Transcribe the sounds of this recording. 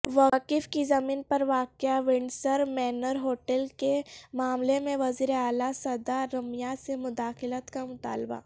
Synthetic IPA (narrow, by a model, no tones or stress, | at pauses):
ʋakɪfkizɐmiːnpɐɾʋaːkjaʋɪɳɖsəɾmɛːnəɾɦoːʈəlkemaːmlemẽʋɐziːɾeaːlasɐd̪aɾɐmjasemʊd̪aːxɪlət̪kamʊt̪a̰ːlba̰